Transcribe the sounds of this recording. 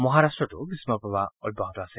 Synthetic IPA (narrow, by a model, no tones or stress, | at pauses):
mɔɦaɾastɹɔtubismapɔbaɔjbaɦɔtɔase